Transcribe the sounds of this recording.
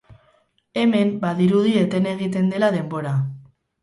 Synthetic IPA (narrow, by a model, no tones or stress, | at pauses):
e̞me̞mbaðiɾuðie̞t̪e̞ne̞ɣ̞it̪̬e̞nd̪e̞laðe̞mbo̞ɾa